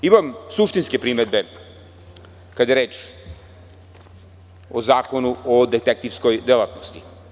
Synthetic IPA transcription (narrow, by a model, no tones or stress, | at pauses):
imamsuʂt̪inskepɾimed̪̚be | kad̪jeɾeːt͡ʃ | ozaːkonuod̪et̪ek̚t̪ivsko̞jd̪elat̪nost̪i̥